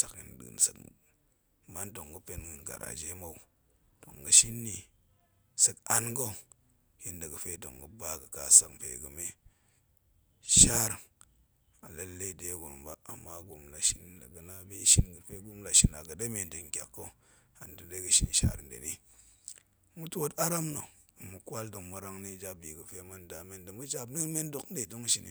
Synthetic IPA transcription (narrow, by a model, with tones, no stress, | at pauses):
ta˨kjḭ˨n˨ɗɨ̰˨msə̰˨k | ma˦ndo˨ŋɡə˦pe˦nɡu˨nɡa̰˨ɾa̰˨d͡ʒe˦ma˦u˦ | d̥o̰˨ŋɡə˦ʃi˦nːi˨ | sə˦ka˦nɡo˦ | ji˦ndə˨ɡə˨fe˦do̰˨ŋɡə˦ba˦ɡə˨ka˨sa˦kpḛ˨ɡə˨me˦ | ʃa˦ɾ | a˨la˦lːe˦˨de˨˦ɡo̰˨nba˦a˨mːa˦ɡu˨mla˨ʃi˦n˦da̰˨ɡɨ˨na˦bi˦ʃi˦nɡɨ˨fe˦ɡu˦mla˨ʃi˨na̰˨ɡɨ˨de˦me˨n˨dɨ˨ŋ˨kʲa˨kːo˦ | a˨n˨dɨ˨de˦ɡɨ˨ʃḭ˦nʃa̰˦ɾn˨dḛ˨ni˦ | mu˦to˦ta˦ɾa˦mno˨ | ɨ˨mu˨kʷa˦ldo˨ŋmu˨ɾa˦ŋni˦˨d͡ʒa˦b̚bi˨ɡɨ˨fe˦ma˦nda˨me˦ndɨ˨mu˦d͡ʒa˦bni˦me˦n˦do˦˨kn̩˦de˨do˦ŋʃi˨nḭ˨